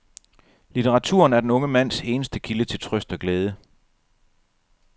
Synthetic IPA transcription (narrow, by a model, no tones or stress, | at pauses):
lit͡sʰeʁɑ̈t͡sʰṵːɐnæɐd̥enɔ̽ŋəmæn̰se̝ːnəsd̥əkʰilət͡sʰe̝lt͡sʰʁœsd̥ɒ̽ɡ̥leːð̞ˠə